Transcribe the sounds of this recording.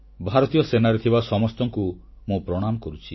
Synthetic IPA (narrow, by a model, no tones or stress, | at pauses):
bʱaɾɔt̪ijɔsenaɾet̪ʰibasɔmɔst̪ɔŋku | mũpɾɔɽ̃amɔkɔɾut͡ʃʰi